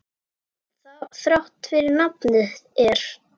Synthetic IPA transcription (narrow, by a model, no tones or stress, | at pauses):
θaθɾawht̪fɪɾɪɾnapnɪðɛɾ̥